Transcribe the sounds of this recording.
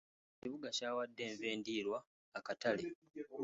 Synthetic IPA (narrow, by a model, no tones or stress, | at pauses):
ciβuɡacaːwadːe̞ːɱve̞ːndiːɾwaː | katale